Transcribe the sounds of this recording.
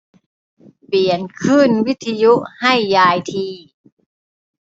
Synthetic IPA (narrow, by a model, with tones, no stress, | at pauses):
pi˨˩ənkʰɯː˥˩nwi˦˥t̪ʰːi˧ju˦˥ʔha˥˩jːaː˧jt̪ʰiː˧